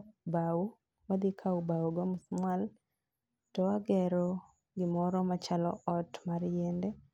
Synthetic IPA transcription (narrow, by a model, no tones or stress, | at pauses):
bau | wad̪ɪkʰaubauɡɔmsmwal | tɔaɡɛɾɔ | ɡɪmɔɾɔmat͡ʃalɔʔɔtmaɾjɛndɛ